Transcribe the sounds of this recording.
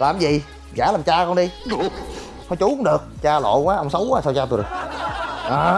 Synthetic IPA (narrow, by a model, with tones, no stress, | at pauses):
laː˨˩mzi˨˩˨ | aː˧˩laː˨˩mt͡ɕaː˧kɔ˧nɗi˧ | fɔ˨˧˩jt͡ɕʊ˧˨˦kʊ˧˦ŋ͡mɗɨ˨˩ək̚t͡ɕaː˧lo̰˧˨kwaː˨˦ʔə˧wŋ͡msə˨˦wʔaː˨˦sa˧wt͡ɕaː˧ɗɨ˨˩ | ʔaː˨˩